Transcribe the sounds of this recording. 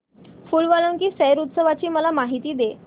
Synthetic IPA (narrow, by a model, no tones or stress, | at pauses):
fulʋaləŋkiːsɛjɾut̪səʋat͡ɕiːməlamaɦit̪iːd̪e